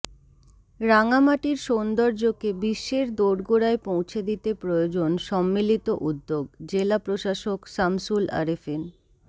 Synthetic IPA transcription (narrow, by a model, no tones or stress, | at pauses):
ɾaŋamaʈiɾʃond̪oɾd͡ʑokebiʃːeɾd̪oɽɡoɾaepõw̃t͡ɕʰed̪it̪epɾojod͡ʑonʃɔmːilit̪oʔud̪ːoɡd͡ʑelapɾoʃaʃoksamsula̰ɾefen